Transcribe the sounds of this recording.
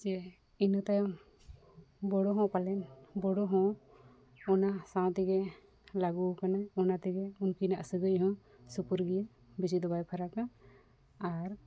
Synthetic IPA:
d͡ʒɛ | inɔt̪aj | bɔɽɔɦɔ̃palɛnbɔɽɔɦɔ̃ | ɔnasãw̃t̪ɛɡɛ | laɡukanaɔnat̪ɛɡɛunkinaʔsəɡɯjɦɔ̃ | supuɾɡija | bisid̪ɔbajpʰaɾaka | aɾ

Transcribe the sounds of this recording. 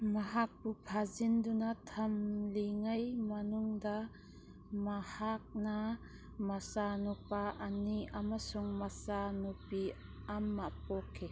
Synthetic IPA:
maɦak̚bupʰazindunatʰamliŋajmanuŋda | mahak̚na | masanupaʔːniamasuŋmasanupi | amːapɔkʰːe

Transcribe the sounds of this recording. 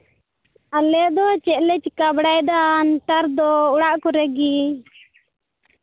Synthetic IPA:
alɛd̪ɔt͡ʃɛʔlɛt͡ʃkabɽajd̪anʈaɾd̪ɔuɽaʔkɔɾɛɡi

